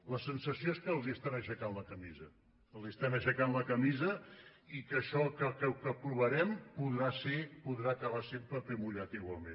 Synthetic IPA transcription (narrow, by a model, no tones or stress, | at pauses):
ləsənsəsioeskəːlˠziəst̪anəʃəkanləkəmizə | əlˠziəst̪ɛməʃəkanləkəmizəikəʃɔkəkəkəpɾuβəɾɛmpuðɾasepuðɾakəβ̞asempɾəpemuʎat̪iɣwalˠmḛ̃n